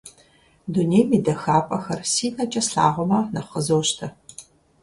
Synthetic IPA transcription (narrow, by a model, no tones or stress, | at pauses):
dunejmiːdɐxaːpʼɐxɐrsiːnɐt͡ʃʼɐsɬa̰ːʁʷɔmɐnɐχəzoːʃtʰɐ